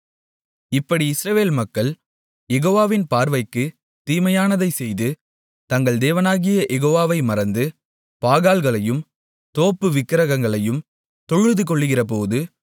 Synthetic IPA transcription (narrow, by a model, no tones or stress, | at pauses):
ɪpːɐɽiɪsɾɐʋeːlmɐkːɐɭ | jɛɣoːʋaːʋɪnpaːɾʋɐɪkːɯ | t̪iːmɐjaːnɐðɐɪsɛjðɯ | t̪ɐŋɡɐɭd̪eːʋɐnaːɣɪjɐʔɛɣoːʋaːʋɐɪmɐɾɐnd̪ɯ | paːɣaːlɣɐɭɐjɯm | t̪oːpːɯʋɪkːɪɾɐɣɐŋɡɐɭɐjɯm | t̪ɔɻɯðɯk̬ɔɭːɯɣɪrɐp̬oːðɯ